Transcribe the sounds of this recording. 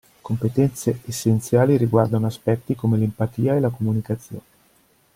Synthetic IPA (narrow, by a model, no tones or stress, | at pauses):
kompet̪ɛnt̪seesːent̪sjaːliɾiɡward̪anoaspɛt̪ːikomelempat̪iːaelakomunikat̪sːjo̰ːne